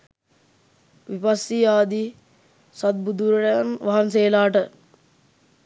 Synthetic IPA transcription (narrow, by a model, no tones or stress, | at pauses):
ʋipasːiaːd̪i | sɐt̪̚bud̪uɾɐɾɐanʋaɦanseːlaːʈə